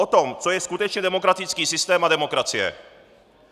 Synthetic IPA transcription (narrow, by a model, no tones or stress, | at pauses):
ot̪omt͡sojɛskut̪ɛt͡ʃɲɛdɛmo̞kɾat̪it͡skiːsɪst̪ɛːmadɛmokɾat͡sijɛ̰